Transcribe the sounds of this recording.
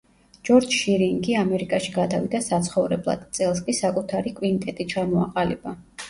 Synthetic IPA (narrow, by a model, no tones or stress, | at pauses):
d͡ʒ̥ɔɾd͡ʒʃiɾiŋɡiamɛɾikʼaʃiɡad̪avid̪asat̪sʰχɔvɾɛblˠa̰d̪̥t̪sʼɛlˠskʼisakʼut̪ʰaɾikʼwint̪ʼɛt̪ʼit͡ʃʰamɔa̰qʼalib̥a